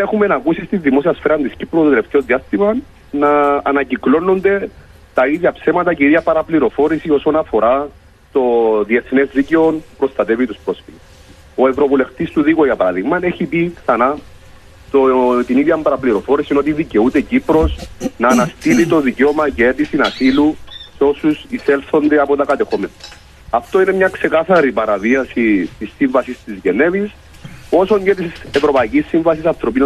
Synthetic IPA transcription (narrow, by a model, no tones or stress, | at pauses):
exume̞nɐkusist̪izðimo̞siɐsfeɾɐnd̪iscipɾot̪ot̪ele̞ft̪eo̞ðiɐst̪imɐ | nɐ̰ːnɐciklo̞nːo̞nd̪e̞ | t̪ɐiðʝɐpse̞mɐt̪ɐceiðʝɐpɐɾɐpliɾo̞fo̞ɾisio̞sonɐfo̞ɾɐ | t̪o̞ðie̞θne̞zðiceo̞npupɾo̞st̪ɐt̪e̞vit̪uspɾo̞sfi | o̞e̞vɾo̞vule̞ft̪ist̪uðiɣoʝɐpɐɾaðiɣmɐneçipikθɐna | t̪ot̪iniðjɐmbɐɾɐpliɾo̞fo̞ɾisino̞t̪̬iðice̞ut̪ecipɾo̞snɐːnɐst̪ilit̪o̞ðiceo̞mɐceet̪isinɐsiluseo̞susiselθo̞nd̪eɐpo̞t̪ɐkɐt̪e̞xomenɐ | ɐft̪o̞ine̞mɲɐkse̞kaθɐɾipɐɾɐviɐsit̪isːiɱvɐsist̪izʝe̞ne̞vis | o̞so̞ɲɟet̪ise̞vɾo̞pɐicisːiɱvɐsisɐnθɾo̞pin